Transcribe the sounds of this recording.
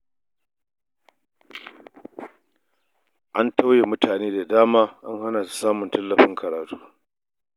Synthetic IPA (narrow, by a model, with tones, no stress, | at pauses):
ʔa˦nta˦wjeː˨mʊ˦taː˨neː˦da˨daː˦maː˦ʔa˦ŋha˦naː˨si̥˦saː˦mʊ˨ntɐ˦lːɐ˨ɸɪ˦ŋkʰɐ˨ɾaː˨tu̥ː˦